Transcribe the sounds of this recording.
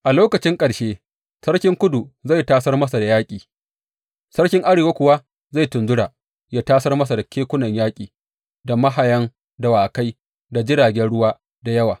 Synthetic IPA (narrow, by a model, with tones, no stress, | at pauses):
ʔa˨loː˦kɐ˨t͡ʃɪ˦ŋkʼɐ˨ɽʃeː˦ | sɐ˦rkʲɪ˦ŋkʷʊ˦du˨za˦˨jtaː˦sɐ˦rmɐ˦s̬a˨da˨jaː˦kʲʼiː˨ | sɐ˦rkʲɪ˦ŋʔa˦ɾeː˨waː˦kʷʊ˨wa˦ | za˦˨jtʊ˨nzʊ˦ɽaː˨ | jaː˦taː˦sɐ˦rmɐ˦s̬a˨da˨kʲeː˦kʷʊ˦nɐ˨ɲjaː˦kʲʼiː˨ | da˨mɐ˦ɦa˨jɐ˦ŋ | da˨waː˨ka˦j | da˨d͡ʒɪ˦ɽaː˨ɡʲɛ˦nɽʊ˦waː˦ | da˨jɐ˦waː˨